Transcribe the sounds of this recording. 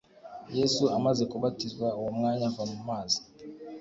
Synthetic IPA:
jesuamazikubatizwawomŋaɲavanumaːzi̥

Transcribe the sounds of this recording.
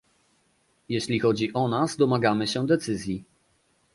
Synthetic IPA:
jeɕlʲixɔd͡ʑiʔɔnazd̪ɔmaɡamɘɕɛd̪ɛt̪sɘzʲji

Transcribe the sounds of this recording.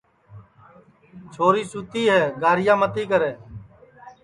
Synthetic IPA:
t͡ʃʰoːɾiːsut̪iːɦɛːɡaːɾɪjãːmət̪iːkəɾeː

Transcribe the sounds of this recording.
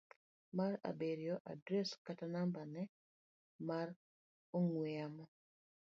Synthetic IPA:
maɾa̰beɾjɔʔa̰dɾɛskatanambanɛ | mar | oŋweamɔ

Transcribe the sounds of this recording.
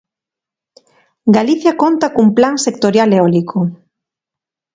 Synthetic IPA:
ɡaliθjakont̪akuŋplaŋsekt̪oɾjaleɔlikʰo

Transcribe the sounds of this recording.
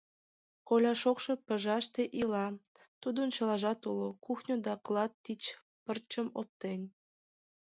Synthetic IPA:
kolʲɑʃokʃopə̆ʒɑʃt̪eʔilɑ | t̪ud̪ənt͡ɕɤ̆lˠɑʒɑt̪ulokuxnʲod̪ɑklˠɑt̪ːit͡ɕ | pərt͡ɕəmo̰p̚t̪enʲ

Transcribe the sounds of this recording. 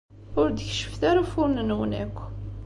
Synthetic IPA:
ʊɾd̪əçʃə̥fθaɾafʊɾnənwnækʷː

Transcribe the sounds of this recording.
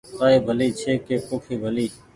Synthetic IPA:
t̪aːeːbʱəliːt͡ʃʰeːkeːkoːkʰiːbʱəliː

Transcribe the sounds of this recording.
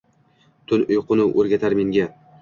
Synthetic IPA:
t̪ʰʊnʊjqʰʊnɪʔoɾɡʲat̪ʰaɾme̞ŋɡʲa

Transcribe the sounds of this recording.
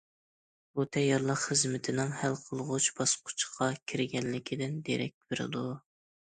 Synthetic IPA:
but̪ʰɛjːɑɾlˠəqχəzmɪt̪ʰɪnɪŋhælqʰəlˠʁʊt͡ʃbɑsqʰʊ̥t͡ʃʰqʰɑkʲʰiɾɪɡʲɛnːɪkʲʰid̪ɪnd̪eɾɛ̰k̚ʲb̥ɪɾɪ̰d̪u

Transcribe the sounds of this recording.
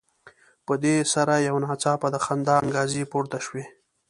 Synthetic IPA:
pəd̪esaɾajawnɑːt͡sɑpad̪əxand̪ɑaŋɡɑzipuɾt̪aʃwe

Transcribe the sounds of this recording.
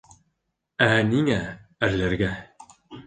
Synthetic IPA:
æniŋææɾlæɾɡæ

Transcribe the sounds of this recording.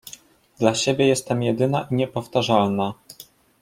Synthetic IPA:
d̪laɕebʲɛjɛst̪ːɛmjɛd̪ɘnaʔiɲɛpɔft̪aʐalna

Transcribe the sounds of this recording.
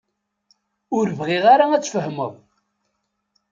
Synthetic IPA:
ʊɾvʁɪʁaɾaæt͡sːfəhməðˤ

